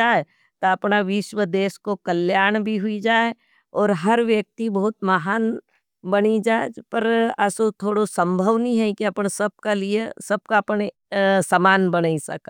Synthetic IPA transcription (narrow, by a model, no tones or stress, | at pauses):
aːe | t̪oɐpnaʋɪʃwəd̪eːskokɐljaːɽ̃bʱiɦʊid͡ʒaːe | ɔːɾɦɐɾʋjək̚t̪ibɐɦʊt̪mɐɦaːn | bɐnid͡ʒaːepɐɾɐsot̪ʰoːɽosə̃mbʱəʋnɐĩɦɛkiɐpnsɐb̚kaliesɐb̚kaɐpn | samaːnbɐnaːisɐ̰ka